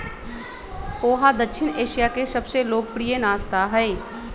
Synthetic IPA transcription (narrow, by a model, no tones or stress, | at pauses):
oːɦaːd̪əkʃʰɪneːʃijaːkesəbseloːk̚pɽijenaːst̪aːɦəeː